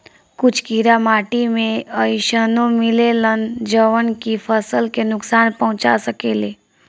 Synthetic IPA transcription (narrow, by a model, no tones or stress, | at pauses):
kʊt͡ʃʰkiɾamaːʈimẽəjʃənõmɪlelənd͡ʒəʋənkipʰəsəlkenʊksaːnpəɦʊ̃t͡ʃa̰səkeːleː